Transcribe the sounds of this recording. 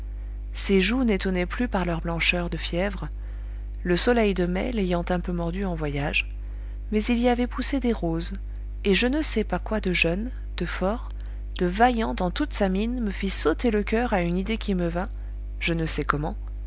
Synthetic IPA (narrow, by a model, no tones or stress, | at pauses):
seʒunet̪ɔnɛplypaʁlœʁblɑ̃ʃœʁd̪əfjɛvʁ | ləsɔlɛjd̪əmɛ̰lejɑ̃t̪ɛ̃pømɔʁd̪yɑ̃vwajaʒ | mɛziliavɛpused̪eʁoz | eʒənəsɛpakwad̪əʒœn | d̪̥əfɔːʁ | d̪̥əvajɑ̃d̪ɑ̃t̪ut̪saminməfisot̪eləkʲœʁaynid̪ekʲiməvɛ̃ | ʒ̥ənəsɛkɔmɑ̃